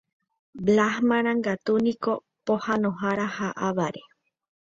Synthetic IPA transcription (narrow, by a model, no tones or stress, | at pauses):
blahmãɾ̃ãŋɡat̪unĩko | pohanõɦaɾahaʔaβaɾe